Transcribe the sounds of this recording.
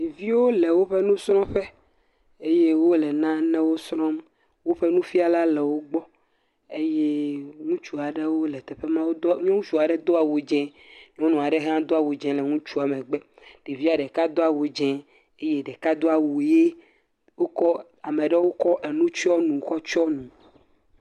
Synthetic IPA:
vi˦wo˦le˨wo˦ɸɛ˦nũ˦sɾɔ̃˦ɸɛ˦ | e˦je˦wo˦lɛ˨nã˦nɛ̃˦wo˦sɾɔ̃˦m | wo˦ɸe˦nũ˦fi˦a˨la˦lɛ˨wo˦ɡ͡bɔ˦ | e˦je˦ŋũ˦t͡ʃu˦a˨ɖe˦wo˦lɛ˨t̪ɛ˨ɸe˦mã˦wo˦d̪o˦ɲɔ̃˦d͡ʒu˨a˨ɖɛ˦d̪o˦a˨wo˨d͡ʒɛ̃˨ | ɲ˦ɔ̃˦nũ˨a˨ɖe˦ɦã˦d̪o˦a˨wo˨d͡ʒɛ̃˨lɛ˨ŋũ˦t͡ʃu˦a˨mɛ̃˨ɡ͡bɛ˦ | ɖ̥e˨vi˦a˨ɖɛ˨ka˦d̪o˦a˨wo˨d͡ʒɛ̃˨ | e˦je˦ɖɛ˨ka˦d̪o˦a˨wu˨je˦ | wo˦kɔ˦ | a˨me˨ɖɛ˦wo˦kɔ˦ʔe˨nũ˦t͡ʃɔ˦nũ˨xɔ˦t͡ʃɔ˦nũ˨

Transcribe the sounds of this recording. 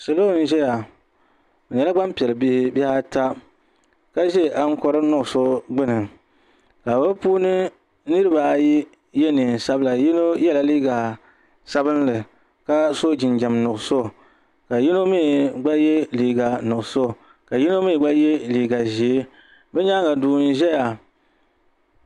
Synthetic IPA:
sɨ˨lo˦˨˦n̩˦ʒɛ˦ja˨ | bɨ˨ɲɛ˨la˦ɡ͡ba˦mpi˨ɛ˨lɨ˨bɪ˦hɪ˦ba˦ha˦ta˦ | ka˦ʒe˦˨ʔa˦ŋ̩˦kɔ˦ɾɨ˦nʊ˦ʔʊ˨so˦ɡ͡bɨ˦nɨ˨ | ka˨ba˦puː˦nɨ˦ | nɨ˦ɾɨ˦ba˨ji˦ | jɛ˦nɨ˨n˨sa˦bɨ˦la˨ji˦no˦jɛ˦la˨liː˦ɡa˨ | sa˦bɨ˦n˦lɨ˨ | ka˦so˦d͡ʒɪ˨nd͡ʒa˨mnʊ˨ʔʊ˨so˦˨ | ka˨ji˦no˦mi˦˨ɡ͡ba˦je˦liː˨ɡa˨nʊ˨ʔʊ˨so˦˨ | ka˨ji˦no˦mi˦˨ɡ͡ba˦jɛ˦liː˨ɡa˨ʒe˨e˦ | bɛ˦ɲa˦ɡa˨duː˨n̩˦ʒɛ˦ja˨

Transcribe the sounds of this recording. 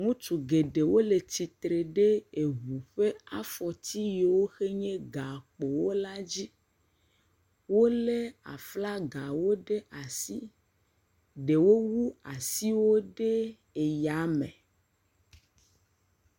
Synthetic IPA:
ŋũ˦t͡ʃu˨ɡe˨ɖe˨wo˦le˨t͡ɕi˨t̪ɾe˨ɖe˦e˨βu˨ɸe˦a˦fɔ˨t̪ʰi˦je˨wo˦xe˦ɲẽ˦ɡa˨k͡po˨wo˦la˦d͡ʑi˦ | wo˦le˦a̰˨fla˦ɡa˨wo˦ɖe˦ʔa˨si˦ | ɖe˨wo˦wu˦a˨si˦wo˦ɖe˦ | e˨ja˨˦mḛ̃˨

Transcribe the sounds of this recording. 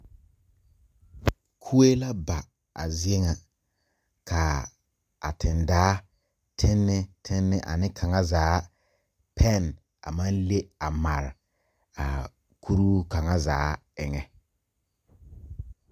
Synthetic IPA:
kʰu˦e˦la˦ba˨ | a˨zi˦e˦ŋa˨ | kʰa˨ | a˨tʰɪ˨ndaː˦ | tʰɪ˦nːɪ˦tʰɪ˦nːɪ˦˨ʔa̰˨nɪ˦kʰa˨ŋa˦zaː˨˦ | pʰɛ˦n | a̰˨ma˦nle˦a˨ma˨ɾɪ˨ | a̰˨ | kʰu˦ɾu˦ka˨ŋa˦zaː˨˦ɪ˨ŋɛ˨

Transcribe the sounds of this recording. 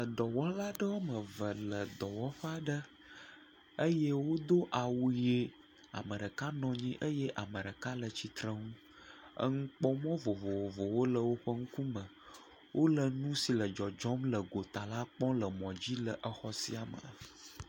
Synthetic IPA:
lə˨d̪ɔ˨wɔ˦la˦ɖə˦wo˦mə̃˨və˨lə˨d̪ɔ˨wɔ˦ɸə˦a˨ɖə˦ | ə˦je˦wo˦d̪o˦ʔa˨wu˨je˦ | a̰˨mə˨ɖə˨ka˦nɔ̃˨ɲĩ˦ʔə˦je˦ʔa˨mə˨ɖə˨ka˦lə˨t͡ɕi˨t̪ɾə˦ŋũ˦ | ə̰˦ŋ̩˦k͡pɔ˦mɔ̃˦vo˨vo˨wo˨vo˨wo˦lə˨wo˦ɸə˦ŋ̩˦ku˦mə˨ | wʔo˦lə˨nũ˦si˨lə˨d͡ʒɔ˨d͡ʒɔ˦mlə˨ɡo˨t̪a˨la˦k͡pɔ̃˦lə˨mɔ̃˨d͡ʑi˦lə˨ʔə˨xɔ˦sḭ˦a˨mə̰˨

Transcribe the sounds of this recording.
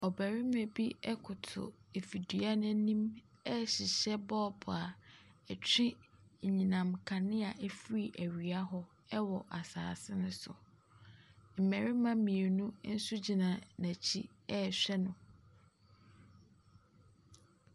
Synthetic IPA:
ɔ˨bæ˨ɾɪ˦me˨bi˦ɛ˦kʰʊ˨tʰʊ̰˨e˨fi˨di˨˦a˦nã˦nĩ˦m | ɛ˦ɕɪ˨ɕɛ˦bɔː˦bʰʊ˨a˨ɛ˨t͡ɕʰᶣɪ̃˦˨ɲĩ˨nã˨mkʰã˨nɪ̃˦a˨ʔɛ˦fɾi˦˨ʔæ˨ɥi˨a˦ɦɔ˦ | ɛ˦wɔ˨ʔa˨sa̰ː˨sɪ˦nʊ̃˦sʊ̰˨ | m̩˨mæ˨ɾɪ˦mã˦mĩ˨e˨nũ˦n̩˦sʊ˦d͡ʑi˨nã˨næ̃˨t͡ɕʰi˦ | ɛ˦˨ɕᶣɛ˦nʊ̃˨

